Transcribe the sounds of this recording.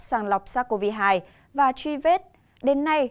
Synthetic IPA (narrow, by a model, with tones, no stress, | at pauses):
saː˧˩nlɔ˨˩wk͡p̚saː˧˥ko˧vi˧ɦaː˧˩j | vaː˨˩t͡ɕwi˧ve˦˥t̚ | ɗe˨˦nːa˧j